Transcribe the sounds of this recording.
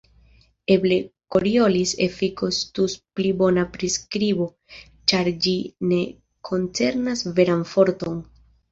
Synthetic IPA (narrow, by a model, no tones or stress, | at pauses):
e̞ble̞ko̞ɾio̞lisefiko̞st̪usplibo̞napɾiskɾibo̞ | t͡ʃaɾd͡ʒine̞ | kʰo̞nt͡se̞ɾnasve̞ɾanfo̞ɾto̞n